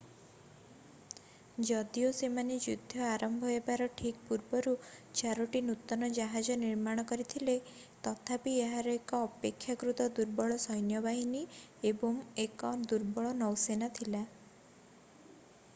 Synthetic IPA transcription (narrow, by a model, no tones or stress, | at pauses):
d͡ʒɔd̪iosemaned͡ʒud̪ʱːɔaɾɔmbʱɔɦɔebaɾɔʈʰik̚puɾbɔɾut͡ʃaɾoʈinut̪ːɔnɔd͡ʒaɦad͡ʒɔniɾmaɽ̃ɔkɔɾit̪ʰile | t̪ɔt̪ʰapieɦaɾɔekɔːpekʰːjakɾut̪ɔd̪uɾbɔɭɔsɔjnjɔbaɦiniebɔŋekɔd̪uɾbɔɭɔnɔwsenat̪ʰila